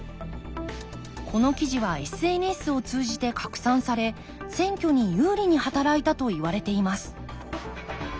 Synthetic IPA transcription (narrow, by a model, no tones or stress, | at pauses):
kʰo̞no̞kʲiʑiβae̞sɨe̞ːnesɨo̞t͡sɨːʑit̪e̞kʰakɯ̟̥sãɰ̃saɾe̞ | sẽ̞ŋkʲo̞ɲ̟ijɯːɾʲiɲ̟ihat̪aɾait̪at̪o̞iβaɾe̞t̪e̞imasɨ̥